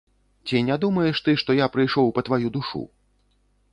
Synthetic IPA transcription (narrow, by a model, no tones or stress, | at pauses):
t͡sʲinʲad̪umɐjɛʂt̪ɨʂt̪ɔjapɾɨjʂɔwpɐt̪vajud̪uʂṵ